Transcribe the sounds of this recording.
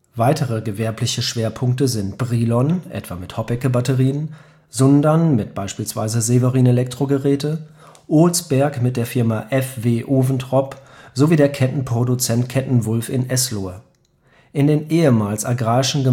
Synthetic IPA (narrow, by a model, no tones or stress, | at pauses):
vaɪtʰəʁəɡəvɛɐplɪçəʃv̥eːɐpʰʊŋk̚təzɪntb̥ʁiːlɔnʔɛ̰tv̥a̰ːmɪthɔpɛkəbatəʁiːən | zɔndɐnmɪt̚b̥aɪʃpiːlsv̥a̰ɪzəzevəʁiːnelɛk̚tʁ̥oɡəʁɛːtə | ʔʊlsb̥ɛɐkmɪt̚d̥eːɐfɪɐmaʔɛfveːʔoːvn̩tʁɔpz̥oviːdeːɐkʰɛtn̩pʁ̥odut͡sɛntkʰɛtn̩vʊlfɪnʔɛsloɐ | ʔɪndeːnʔeːəmaːlsaɡʁaːɪʃn̩ɡə